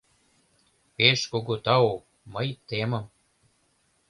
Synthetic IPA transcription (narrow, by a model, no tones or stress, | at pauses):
peʃkoɡot̪ɑok̚ | məjt̪emə̆m